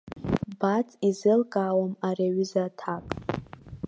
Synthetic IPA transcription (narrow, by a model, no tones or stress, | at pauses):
bat͡sʼizɨlkʼaːwamareɥizatʰakʼ